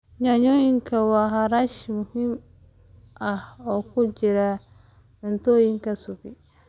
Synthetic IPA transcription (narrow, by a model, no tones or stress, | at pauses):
ɲaɲojiŋkawaɦaɾaʃimuhim | ʔaɔkud͡ʒiɾa | ntojiŋkasupi